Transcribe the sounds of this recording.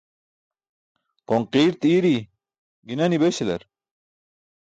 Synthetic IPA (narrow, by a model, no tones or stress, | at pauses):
qoŋqiːɾt̪iːɾi | ɡinɐnibeɕelɐ̰ɾ